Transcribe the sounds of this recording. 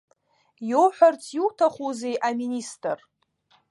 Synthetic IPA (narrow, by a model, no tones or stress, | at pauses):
jowħʷᶣart͡sʰjuwtʰaχuzejʔaministʼr